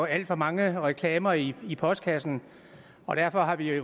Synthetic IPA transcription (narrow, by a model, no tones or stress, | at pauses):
oæl̰d̥fɒ̽mɑ̈ŋəʁɛkʰlɛːmɐiipʰɒ̽sd̥̚kʰæsn̩ | ɒ̽d̥æɐfɒ̽ɦɑ̈ʋi